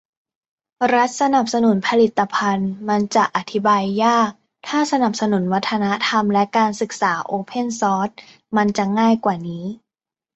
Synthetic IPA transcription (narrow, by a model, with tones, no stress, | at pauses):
ɾa˦˥t̪̚sa˧na˨˩p̚sa˧nu˨˩˦npʰa˧li˨˩t̪ːa˧pʰa˧nma˧nt͡ɕa˨˩ʔa˨˩t̪ʰi˦˥baː˧jːaː˥˩k̚ | t̪ʰaː˥˩sa˧na˨˩p̚sa˧nu˩˦nwa˦˥t̪ʰːa˧na˦˥t̪ʰa˧mlɛ˦˥kaː˧nsɯ˨˩k̚saː˩˦ʔoː˧pʰe˥˩nsɔː˦˥t̪̚ | ma˧nt͡ɕa˨˩ŋaː˥˩jkwaː˨˩niː˦˥